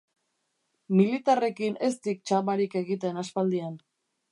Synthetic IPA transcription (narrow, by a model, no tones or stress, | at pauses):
milit̪are̞kine̞s̬t̪ik̚t͡ʃamaɾike̞ɣit̪̬e̞naspald̪ian